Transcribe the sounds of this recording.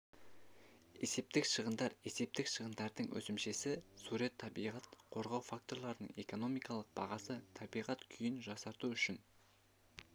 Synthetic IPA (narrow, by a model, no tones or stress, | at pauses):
e̞se̞p̚t̪ɪkʃəʁənd̪ɑɾe̞se̞p̚t̪ɪkʃəʁənd̪ɑɾd̪əɴwʔɵ̰sɪmʃe̞sɪsuɾet̪ʰːɑbijʁɑt̪qʰo̞ɾʁɑwfak̚t̪o̞ɾlˠɑɾənəɴe̞̰ko̞no̞mijkɑlˠəq̚b̥ɑʁɑsət̪ʰɑbijʁɑt̪kʲʰʏjɪnʒɑsɑɾt̪uʏʃɪn